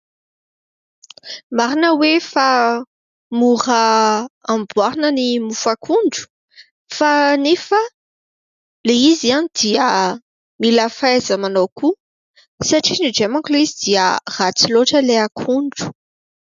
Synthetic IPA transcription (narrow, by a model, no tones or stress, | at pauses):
maɾinəwefa | murəambuaɾinənimufakʰuɳɖ͡ʐu̥ | fanefə | leizianid̪iə | milafajzəmanowku | saʈ͡ʂinid͡ʒemakleizid̪iərat͡siloʈ͡ʂəleakʰuɳɖ͡ʐu̥